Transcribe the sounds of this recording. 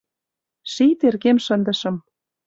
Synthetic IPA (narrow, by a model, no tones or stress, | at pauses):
ʃit̪erɣemʃənd̪ə̆ʃɤ̆m